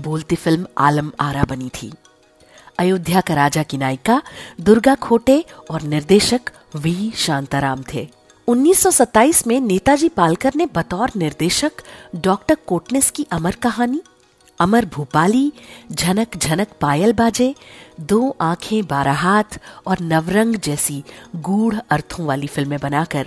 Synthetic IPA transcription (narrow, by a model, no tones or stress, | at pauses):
boːlt̪ifɪlma̰ːləma̰ːɾabɐnit̪ʰḭː | ɐjʊd̪ʱjakɐɾaːd͡ʒakinaːɪkad̪ʊɾɡakʰoːʈeɔːɾnɪɾd̪eːʃək | ʋiːʃãːnt̪aɾaːmt̪ʰḛː | ʊnːiːsːɔsɐt̪ːaːiːsmẽneːt̪ad͡ʒiːpaːlkəɾnebɐt̪ɔːɾnɪɾd̪eːʃəkɖɔːkʈəɾkoːʈnɪskiʔɐməɾkɐɦaːni | ɐməɾbʱuːpaːlid͡ʒʱɐnəkd͡ʒʱɐnəkpaːjəlbaːd͡ʒed̪oːʔãːkʰẽbaːɾaɦaːt̪ʰɔːɾnɐʋɾə̃ŋɡd͡ʒɛːsiɡuːɽɐɾt̪ʰõʋaːlifɪlmẽbɐnaːkɐɾ